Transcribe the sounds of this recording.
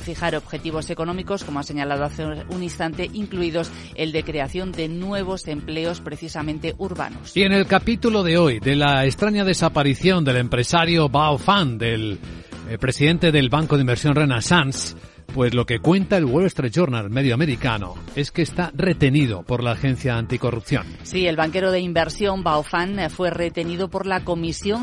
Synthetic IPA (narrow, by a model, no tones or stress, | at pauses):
fixaɾo̞βxe̞t̪iβ̞o̞se̞ko̞nõ̞miko̞sko̞moase̞ɲalað̞o̞aθeuninst̪ant̪e̞ʔiŋkluið̞o̞s | e̞ld̪e̞kɾe̞aθjo̞nd̪e̞nwe̞β̞o̞se̞mple̞o̞spɾe̞θisamẽ̞nt̪e̞ʔuɾβa̰nosie̞ne̞lkapit̪ulo̞ðe̞o̞jðe̞laest̪ɾaɲaðe̞sapaɾiθjo̞nd̪e̞le̞mpɾe̞saɾjobawfand̪e̞l | pɾe̞siðe̞nt̪e̞ðe̞lβaŋkoðimbeɾsjo̞nrejnasans | pwe̞zlo̞ke̞kwe̞nt̪ae̞lwolst̪ɾet̪ʒoɾnalme̞ðjoame̞ɾika̰no̰e̞ske̞ːst̪are̞t̪e̞nið̞o̞̰po̞ɾlaːxe̞nθjaːnt̪iko̞rupθjo̞̰nsie̞lβaŋke̞ɾoðeimbe̞ɾsjo̞mbawfanfwe̞re̞t̪e̞niðopo̞ɾlako̞misjo̞ŋ